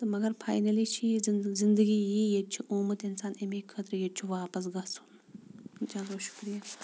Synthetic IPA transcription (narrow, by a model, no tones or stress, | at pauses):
t̪ɐmɐɡɐɾpʰa̰ːjnɐlit͡ʃʰizind̪ɐɡijijet͡ʃʰiʔoːmɐt̪insaːnemiːkʰɐt̪ɾjet͡ʃʰiʋaːpɐs̬ɡɐsu̥n | nt͡ʃaːnoʃu̥kɾija